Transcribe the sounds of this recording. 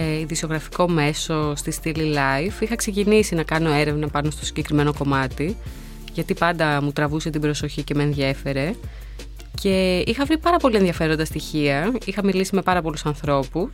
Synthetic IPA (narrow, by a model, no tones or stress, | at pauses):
eiðisio̞ɣɾɐfi̥ko̞me̞so̞st̪ist̪ililɐjfixɐkse̞cinisinɐkɐno̞e̞ɾe̞vnɐpɐno̞st̪o̞si̥ɲɟe̞kɾime̞no̞ko̞mɐt̪i | ʝɐt̪ipɐnd̪ɐmut̪ɾɐvuset̪ibɾo̞so̞çice̞menðʝe̞fe̞ɾe̞ | ce̞ixɐvɾipɐɾɐpo̞lieðiɐfe̞ɾo̞nd̪ɐst̪içiɐixɐmilisime̞pɐɾɐpo̞lusɐnθɾo̞pus